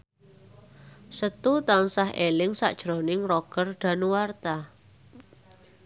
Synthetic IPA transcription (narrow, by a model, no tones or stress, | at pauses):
sət̪ut̪aŋsaɦʔelɪŋsa̰ʔd̥ʒ̥ɾo̤nɪŋrɔɡ̥ərɖ̪̥a̤nuwart̪a